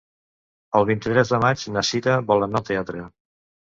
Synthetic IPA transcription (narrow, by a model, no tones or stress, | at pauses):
əlˠβint̪it̪ɾɛzðəmad͡ʒnəsit̪əβɔlˠənat̪eat̪ɾə